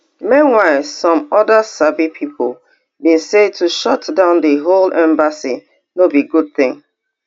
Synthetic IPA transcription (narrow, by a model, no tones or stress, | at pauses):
mĩnwaɪlˠsɔ̃mɔdəsabipʰipʰol | bĩnsedtʰuʃɔtdãʊ̃ndəɦolɛ̃mbasḭ | nobiɡud̚θɪ̃ŋ